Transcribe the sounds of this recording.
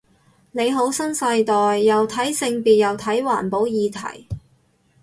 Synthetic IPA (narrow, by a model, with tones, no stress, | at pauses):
ne˨˧jɦo˨˥wsɐ˥nsɐ˧jt̪ɔː˨jːɐ˨wt̪ʰɐ˨˥jsɪ˧ŋpiː˨t̚jɐ˨wt̪ʰɐ˨˥jwa̰ː˨˩npo˨˥wjiː˨˧t̪ʰɐ̰˨˩j